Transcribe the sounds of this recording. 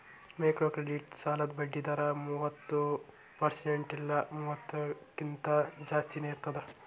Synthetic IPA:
mekɾoːkɾeɖiʈsaːlɐd̪bɐɖːid̪ɐɾɐmuːʋɐt̪ːu | pɐɾseɳʈilːɐmuːʋɐt̪ːukint̪ɐd͡ʒaːst̪ineiɾt̪ɐd̪e

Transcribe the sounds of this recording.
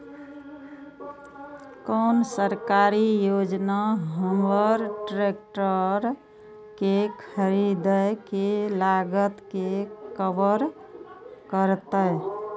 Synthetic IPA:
kəːnsəɾkaɾijod͡ʒnaɦəmbəɾʈɾek̚ʈəɾ | kekʰəɾid̪əjkelaɡət̪kekəbəɾ | kəɾt̪əj

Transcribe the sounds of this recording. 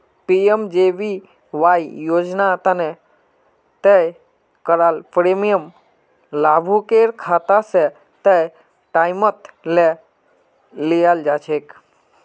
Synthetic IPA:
piemd͡ʒeʋi | ʋaːjjoːd͡ʒnat̪əne | t̪əj | kəɾalpɾemijəm | laːbʱukeɾkʰat̪ase | t̪əj | ʈaːjmət̪le | lijald͡ʒaːt͡ʃʰek

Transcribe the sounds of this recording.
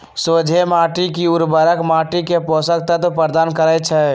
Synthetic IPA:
sod͡ʒʱemaʈikiuɾbəɾəkmaʈikepɔsək̚t̪ət̪pɾəɾd̪aːnkəɾɛt͡ʃʰɛ

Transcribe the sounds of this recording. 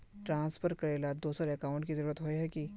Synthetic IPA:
ʈɾãːnspʰəɾkɐɾeːlad̪oːsəɾɐkaːʊ̃ɳʈkizɐɾuːɾət̪ɦoeɦɛki

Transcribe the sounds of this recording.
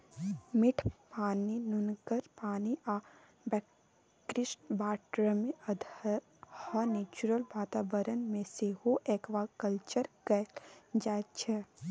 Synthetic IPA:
mɪʈʰpaːninʊnkəɾpaːniʔa | bɛ | kɾɪsʈbaːʈɾəmeɐd̪ | həneːt͡ʃuɾəlʋaːt̪aːbəɾənmẽsehoʔeːkʋakəlt͡ʃəɾkɐd͡ʒaːt̪̚t͡ʃʰɛ

